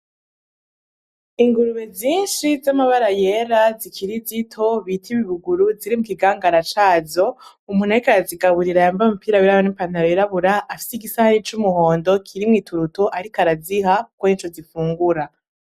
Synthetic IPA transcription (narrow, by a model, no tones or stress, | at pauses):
iŋɡuɾuβezɲiːnʃizamaβaɾaje̞ɾazikʰiɾizitʰo̞βitʰiβiβuɡuɾuziɾimukiɡaːŋɡaɾat͡ʃaːzo | umhuːnaikaɾaziɡaβuɾiɾajaɱvamupiːɾawiɾajoniːmpandaɾojiɾaβuɾaʔːfi̥siɡisahaɾit͡ʃumuho̞ːndo̞kʰiɾimŋiːtʰuɾutoʔaɾikaɾazihakwoint͡ʃozifuːŋɡuɾa